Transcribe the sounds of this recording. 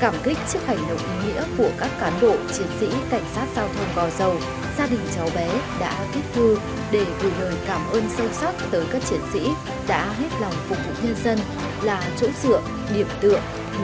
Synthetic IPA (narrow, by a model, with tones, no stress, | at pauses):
kaː˧˩mkï˦˥k̟̚t͡ɕɨ˦˥ək̚ha˧˩jŋ̟ɗə̰˧˨wŋ͡mʔi˨˦ŋḭ˧˥əku˧˩əkaː˦˥kːaː˨˦nɓo̰˧˨t͡ɕi˨˦ənsḭ˧˥ka˧˩jŋ̟saː˦˥t̚z̥aː˧wt̪ʰə˧wŋ͡mkɔ˨˩zə˨˩w | zaː˧ɗï˨˩ŋ̟t͡ɕa˨˦wɓɛ˨˦ɗa̰ː˧˥t̪ʰi˦˥p̚t̪ɨ˧ | ɗe˧˩vḭ˨˩ləː˨˩jkaː˧˩mʔəː˧nsə˧wst̚t̪əː˨˦jkaː˦˥k̚t͡ɕi˧˩ənsḭ˧˥ | ɗa̰ː˧˥ɦe˦˥t̚lɔ˨˩wŋ͡mfʊ˨˩k͡p̚vṵ˨˩ɲə˧nzə˧n | laː˨˩t͡ɕo̰˧˥nzɨ̰˧˨əʔ | ɗi˧˩əmt̪ɨ̰˧˨əŋ